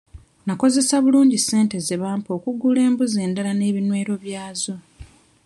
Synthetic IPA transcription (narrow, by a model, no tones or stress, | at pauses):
nako̞ze̞saβuluːɲɟise̞ːnte̞ze̞βaːmpo̞ːkuɡuːle̞ːmbuze̞ːndalane̞ːβinwe̞ːɾo̞βjaːzo̞